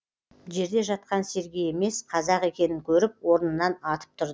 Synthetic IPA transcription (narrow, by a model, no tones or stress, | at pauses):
ʒe̞ɾd̪e̞ʒɑt̪̚qɑnse̞ɾɡʲije̞me̞sqʰɑzɑqe̞kʲe̞nɪŋkʲʰɵɾɪp̚wo̞ɾənənːɑnɑt̪ə̥p̚t̪ʰʊɾd̪